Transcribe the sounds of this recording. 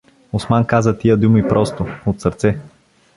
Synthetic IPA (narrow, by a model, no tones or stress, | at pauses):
osmankazət̪ijəd̪umipɾʔɔst̪oot̪səɾt̪sɛ